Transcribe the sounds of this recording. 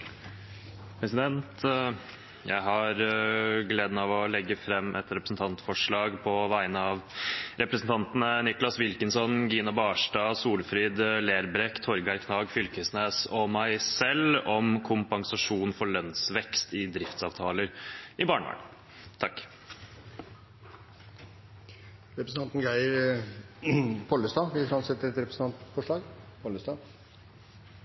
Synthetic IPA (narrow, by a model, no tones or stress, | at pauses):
pʰɾɛsɪd̪ɛnt̪ | jæ̰ɪɦɑɾɡleːd̪nɑʋɔlɛɡːəfɾɛmːʔɛ̰t̪ɾɛpɾəsn̩t̪ʰɑnt̪fɔʂɭɑːɡpʰɔʋæɪənəɑʋɾʔɛpɾəsn̩t̪ɑnt̪nənɪklɑsʋɪlkənsɔnɡiːnɑbɑʂʈɑːsuːlfɾiːd̪leːɾbɾɛkt̪ʰɔɾɡæɾkʰnɑːɡfʏlkəsneːsɔmæɪsɛlɔmkʰʊmpɑŋsɑʂuːnfɔɭœnsʋɛkst̪ɪd̪ɾɪft̪sɑ̰ːʋt̪ʰɑːləɾɪbɑːɳʋɑ̰ːɳ | t̪ʰɑkː | ɾɛpɾəsn̩t̪ɑnt̪n̩ɡæɪəɾ | pʰɔləst̪ɑːʋɪfɾɑnsɛt̪ːəɾɛt̪ɾɛpɾəsən̩t̪ɑnt̪fɔʂɭɑːɡpʰɔləst̪ɑ